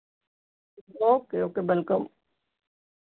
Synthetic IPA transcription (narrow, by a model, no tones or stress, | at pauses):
oːkeoːkebɐlkəm